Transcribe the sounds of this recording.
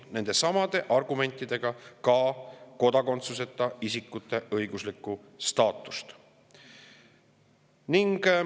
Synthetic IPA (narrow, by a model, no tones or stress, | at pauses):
ne̞nd̪e̞sɑmɑd̪̥e̞ʔɑrɡ̥ume̞nʲt̪ːˑid̪̥e̞ɡ̥ɑkɑko̞d̪ɑko̞nt̪suse̞t̪ːˑɑisikːut̪ːˑe̞ʔɤjɡ̥uslikːˑu | st̪ɑːt̪ːˑu̥st̪ | niŋɡ̥